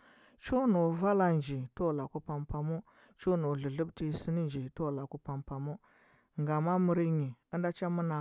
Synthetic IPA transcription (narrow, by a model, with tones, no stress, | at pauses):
t͡ʃu˦nu˨va˦la˨nd͡ʒi˨to˦˨la˨ku˦pa˨mpa˨mu˦ | t͡ʃu˦nu˨ɮu˨ɮu˦bti˦si˦ni˦nd͡ʒi˨to˦˨la˨ku˦pa˨mpa˨mu˦ | ŋɡa˨ma˦mu˨ɾi˦ɲi˨ə˦nda˦t͡ʃa˦mu˦na˨